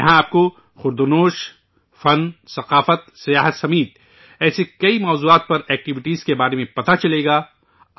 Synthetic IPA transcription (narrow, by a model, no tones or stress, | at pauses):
ɐɦãaːp̚ko | xʊɾd̪ʊnoːʃ | fɐnsɐqaːfət̪̚sɐjaːɦət̪sɐmiːt̪̚ | ɛːsekɐimɔːzuːaːt̪̚pɐɾɛːk̚ʈɪʋɪʈiːz̥kebaːɾemẽpɐt̪at͡ʃɐleːɡaː